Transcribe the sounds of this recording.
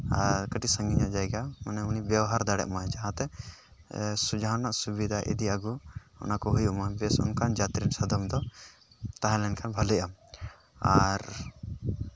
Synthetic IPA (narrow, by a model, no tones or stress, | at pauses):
a̰ɾkəʈisə̃ŋɡiɲaʔd͡ʒajɡamanɛunibjawaɦaɾd̪aɽɛ̰ʔmad͡ʒaɦãt̪ɛ | sud͡ʒaɦanaʔsubid̪ʱaʔḭd̪iaɡu | ɔ̰nakɔɦujuʔmabɛsɔ̰nkand͡ʒat̪ɾinsəd̪ɔmd̪ɔ | t̪aɦãlɛnkʰanbʱalɛʔam | aɾ